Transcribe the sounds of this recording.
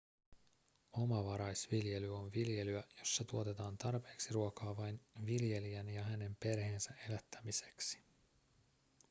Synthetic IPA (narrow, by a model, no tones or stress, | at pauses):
o̞mɑʋɑɾɑjsʋilje̞lyo̞nʋilje̞lyæjo̞sːɑt̪uo̞t̪e̞t̪ɑːnt̪ɑrpe̞ːksiruokɑːʋɑjnʋilje̞liænjɑɦæne̞mpe̞rhe̞ːnsæʔe̞læt̪ːæmise̞̥ksi̥